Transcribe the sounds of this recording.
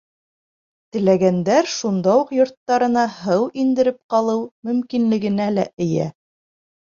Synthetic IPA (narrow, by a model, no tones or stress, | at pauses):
t̪ɘ̆læɡænd̪æɾʃund̪ɑwuqjŏɾt̪ːɑɾɤ̆nɑɦɤwind̪ɘ̆ɾɘp̚qɑlˠɤwmɵ̆mkinlɘ̆ɡɘ̆nælæʔɘ̆jæ̰